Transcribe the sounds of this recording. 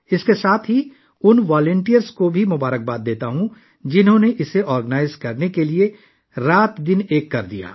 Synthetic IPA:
ɪskesaːt̪ʰɦi | ʊnʋaːlə̃ɳʈijəɾskobʱimʊbaːɾək̚baːt̪̚d̪eːt̪aɦũ | d͡ʒɪnɦõneʔɪseʔɔːɾɡənaːɪzkɐɾnekelie | ɾaːt̪d̪ɪneːkːɐɾd̪ija̰ː

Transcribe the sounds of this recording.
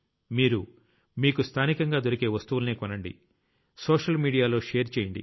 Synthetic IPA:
miːɾu | miːkust̪ʰaːnikɐŋɡaːd̪o̞ɾike̞ːʋɐst̪uʋulɐneːkɔnɐɳɖḭ | soːʂɐlmiːɽijaːlo̞ːʂe̞ːɾt͡ʃeːjɐɳɖḭ

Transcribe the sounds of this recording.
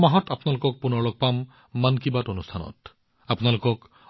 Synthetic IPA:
maɦɔtapɔnalokɔk̚punɔɭɔk̚pamː | ankibatonustʰanɔ̰t | apunalokɔk

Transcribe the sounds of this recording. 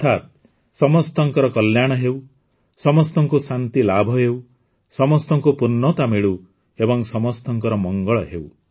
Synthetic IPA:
t̪ʰat̪̚ | sɔmɔst̪ɔŋkɔɾɔkɔljaɽ̃ɔɦew | sɔmɔst̪ɔŋkusant̪ilabʱɔɦew | sɔmɔst̪ɔŋkupunːɔt̪ameɭu | ebɔŋsɔmɔst̪ɔŋkɔɾɔmɔŋɡɔɭɔɦew

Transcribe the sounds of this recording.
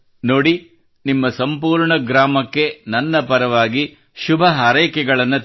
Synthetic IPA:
noːɽi | nimːɐsɐmpuːɾɳɐɡɾaːmɐkːe̞nɐnːɐpɐɾɐʋaːɡi | ʃubʱɐɦɐːɾɐjkɛɡɐɭɐnːu

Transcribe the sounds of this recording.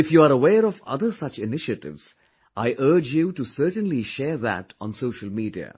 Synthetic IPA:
ɪfjuːaːɾəʋeːɾɔfʌ̰d̪əɾsʌt͡ʃɪnɪʃəʈɪ̰ʋz̥ | ʔaɪʔəɾd͡ʒjuʈusəɾʈə̃nliʃɛːɾðæ̰ʈɔ̃nsoːʃəlmiːɖiə̰

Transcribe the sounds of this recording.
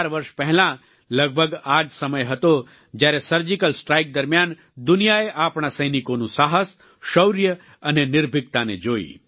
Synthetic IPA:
aɾʋəɾʃpɛɦlã | ləɡ̚bʱəɡad͡ʒsəməjɦət̪o | d͡ʒjaɾesəɾd͡ʒikəlsʈɾajk̚d̪əɾmjan | d̪ʊnijaeʔapɳ̃asəjnikonũsaɦəs | ʃəwɾjə | ənenɪɾbʱɪɡ̚t̪anḛd͡ʒoːḭ

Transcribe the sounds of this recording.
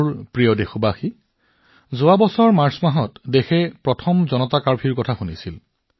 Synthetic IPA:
ɹpɹijɔdexɔbaxi | zʊabɔsɔɹmaɹsmaɦɔtdexɛpɹɔtʰɔmzɔnɔtakaɹpʰiɹkɔtʰaxunisil

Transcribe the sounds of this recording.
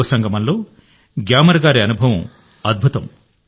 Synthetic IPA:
ɐsɐŋɡɐmɐnloː | ɡjaːmɐɾɐɡaːɾiɐnubʱɐʋɐm | ɐd̪̚bʱut̪ɐm

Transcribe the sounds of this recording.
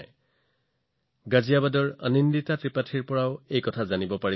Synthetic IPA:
j | ɡazijabadɔɹa̰ninditatɹipatʰiɹpɔɹaʊejkɔtʰazanibɔpaɹi

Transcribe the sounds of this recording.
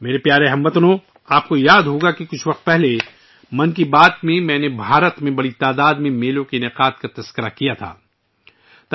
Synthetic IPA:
meːɾepjaːɾeɦɐ̃mʋɐt̪nõ | aːp̚kojaːd̪ɦoːɡakikʊt͡ʃʰʋɐq̚t̪̚pɛɦle | mɐnk̬ibaːt̪mẽmɛ̃ːnebʱaːɾət̪mẽbɐɽit̪aːd̪aːd̪mẽmeːlõkinɪqaːt̪kat̪ɐskəɾakijat̪ʰa̰ː | t̪

